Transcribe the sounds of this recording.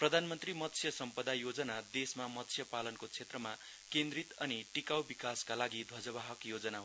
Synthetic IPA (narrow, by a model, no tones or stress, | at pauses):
prʌd̪ʱanmʌnt̪rimʌt̪sʰjʌsʌmpʌd̪ajod͡zʌnad̪esmamʌt̪sʰjʌpalʌnkot͡sʰet̪rʌma | kend̪rit̪ʌniʈikawbikaskalaɡid̪ʱʌd͡zʌbaɦʌkjod͡zʌnaɦ